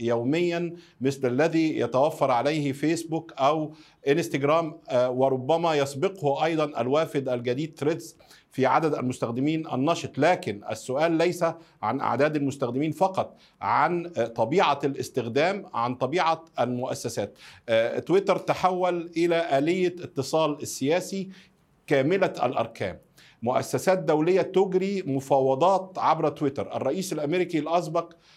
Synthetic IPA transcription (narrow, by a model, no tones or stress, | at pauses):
jæwmɪjːænmɪθlʔælːæðiːjæt̪æwæfːɑɾˤʕalæjhfeːsbukʔæw | ʔɪnst̪aɡɾæːmwɪɾˤobːæmæjɑsˤbɪqhʔɑjd̪ˤɑnʔæ̰lwæːfɪd̪ʔælɡæd̪iːd̪̚t̪ɾet̪z | fiʕa̰d̪æd̪æ̰lmʊst̪æxd̪ɪmiːnʔæ̰nːɑʃet̪ˤlæːkɪnʔæ̰sːʊʔæːlːæjsæʕanʔa̰ʕd̪æːd̪ælmʊst̪æxd̪ɪmiːnfɑqɑt̪ˤ | ʕant̪ˤɑbiːʕalʔɪst̪ɪxd̪æːmʕant̪ˤɑbiːʕaʔælmʊʔæ̰sːæsæːt̪̚t̪wɪt̪ɑɾt̪aħawːælʔɪlæʔæːlɪjːaɪt̪ːɨsˤɑːlɪsːɪjæːsi | kæːmɪlææ̰lʔɑ̰ɾˤkæ̰ːmː | ʊʔæ̰sːæsæːt̪̚d̪æwlɪjːæt̪ʊɡɾiːmʊfɑːwɑd̪ˤɑːt̪ʕabɾæt̪wɪt̪ɑɾˤʔæ̰rˤːɑʔiːsælʔæmeɾikilʔɑsˤbɑq